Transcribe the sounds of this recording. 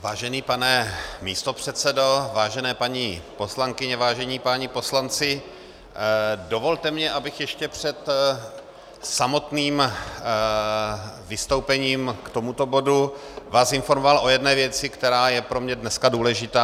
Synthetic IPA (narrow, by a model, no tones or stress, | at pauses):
vaːʒɛniːpanɛmḭːst̪opr̝̥ɛt̪t͡sɛdo̞vaːʒɛnɛːpaɲipo̞slaŋkɪɲɛvaːʒɛɲiːpaɲipo̞slant͡sɪ | do̞vo̞lt̪ɛmɲɛʔabɪxjɛʃcɛpr̝̥ɛt̪ | samo̞t̪niːm | vɪst̪owpɛɲiːmkt̪o̞mut̪o̞bo̞duvaːsɪnfo̞ɾmovalʔo̞jɛdnɛːvjɛt͡sɪkt̪ɛɾaːjɛpɾo̞mɲɛdnɛskaduːlɛʒɪt̪aː